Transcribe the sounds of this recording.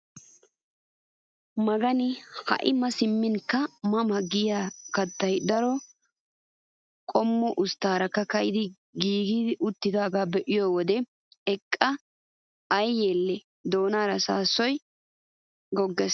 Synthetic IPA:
mɐɡɐnɪhɐ̰ʔɪmɐsɪmːɪnkːɐmɐmɐɡɪjaːkɐt̪ːɐjd̪ɐɾɔ | kʼɔmːʊʔʊst̪ːaːɾɐkːɐkɐjɪd̪ɪ | ɡiːɡid̪ɪʔʊt̪ːɪd̪aːɡaːbɛʔɪjɔwɔd̪ɛ | ɛkʼːɐ | ɐjːeːlːɛ | d̪o̞ːnaːɾɐsaːsːɔj | ɡɔɡːɛs

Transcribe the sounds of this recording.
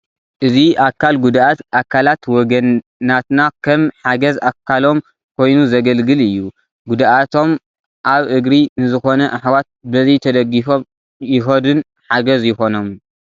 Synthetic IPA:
ʔɨziʔakʰːalɡud̪ʔat̪ʔakʰːalat̪wɔɡɐnː | at̪nakʰɐmħaɡɐzakʰːalo̞m | kʰo̞jnuzɐɡɐlɡɨlɨjːu | ɡud̪ʔat̪ʰo̞m | ʔaβʔɨɡɾinɨzɨxo̞nɐʔaħwat̪̚bɐzɐjt̪ʰɐd̪ɐɡːifo̞m | jɪxɐd̪ɨn | ħaɡɐzjɪxo̞no̞m

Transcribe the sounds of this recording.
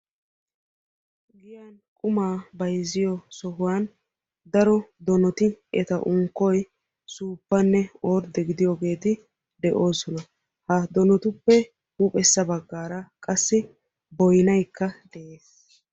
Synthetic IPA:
ɡɪjan | kʼʊmaːbɐjzɪjɔsɔɦʊwan | d̪ɐɾɔd̪ɔnɔt̪ɪɛ̰t̪ɐʔʊŋkːɔj | suːpːɐnːɛoːɾd̪ɛɡɪd̪ɪjoɡe̞ːt̪ɪ | d̪ɛʔo̞ːsɔnɐ | hɐd̪ɔnɔt̪ʊpːɛ | huːpʼɛsːɐbɐɡːaːɾɐkʼɐsːɪ | bɔjnɐjkːɐd̪̥ɛʔeːs

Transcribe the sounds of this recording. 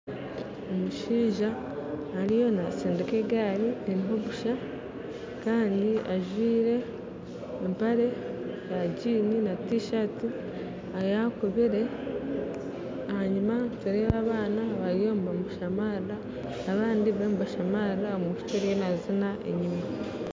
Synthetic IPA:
omuʃiːʒaː | ɾijo̞naseːndekeɡaːɾieɾiɦo̞βuʃa | kaːndiaʒwiːɾe̞ː | mpaɾe̞jaɟiːninatiʃati | ajakuβiɾe̞ | ahaɲimateɾeβaːβaːnaβaɾijo̞ːmbamuʃamaɾa | aβaːndiβemubaʃamaɾaomuʃu̥t͡ʃeɾjenazinaʔḛɲima

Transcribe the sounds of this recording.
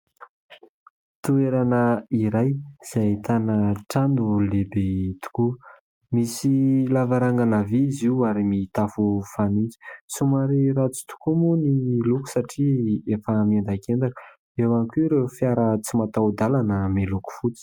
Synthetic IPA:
t̪ueɾanəiɾajz̥ajt̪anəʈ͡ʂand̪ulebet̪u̥ku | misilavaɾaŋɡanaviiziuaɾimit̪afufanind͡zi̥sumaɾiɾat͡su̥t̪u̥kumunimiluku̥saʈ͡ʂiefəmiand̪akend̪akə̥ | ewankuɾewfjaɾət͡simat̪awd̪alanəmiluku̥fut͡si̥

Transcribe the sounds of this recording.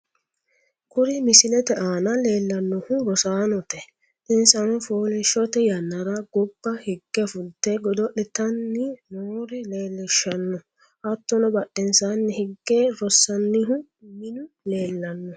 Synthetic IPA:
kʊɾɪmɪsɪlɛt̪ɛʔaːnɐle̞ːlːɐnːʊhʊɾɔsaːnɔt̪ɛ | ʔɪnsɐnɔfoːlɪʃɔt̪ɛjɐnːɐɾɐɡɔb̥ːɐhɪɡːɛfʊlt̪ːɛɡɔd̪ɔʔɛt̪ɐnːɪnoːɾɛle̞ːlːɪʃːɐnːɔ | ʔɐt̪ːɔnɔbɐɗːɛnsanːɪhɪɡːeːɾɔsːɐnːɪɦʊ | mɪnʊ | le̞ːlːɐnːɔ

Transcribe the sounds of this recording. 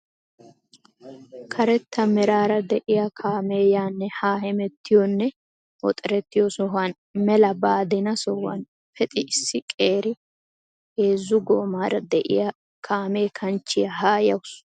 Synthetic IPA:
kʰɐɾɛt̪ːɐmɛɾaːɾɐd̪ɛʔɪjakʰaːmeːjaːnːɛhaːhɛmɛt̪ːɪjɔnːɛ | ʔɔ̰t̪ʼɛɾɛt̪ːɪjɔsɔɦan | mɛlɐbaːd̪ɪnɐsɔhɐ̰n | fɛt̪ʼɪʔɪsːɪkʼe̞ːɾɪ | eːzːʊɡoːmaːɾɐd̪ɛʔɪ̰jɐ | kʰaːme̞ːkʰɐnt͡ʃːɪjɐɦaːjɐwʊs

